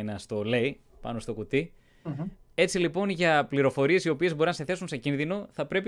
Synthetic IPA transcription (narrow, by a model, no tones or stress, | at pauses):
nɐst̪o̞lei | pɐ̰no̞st̪o̞kut̪i | e̞t͡silipo̞nʝɐpliɾo̞fo̞ɾie̞sio̞pie̞zbo̞ɾinɐseθe̞sunse̞cinðino̞θɐpɾe̞pi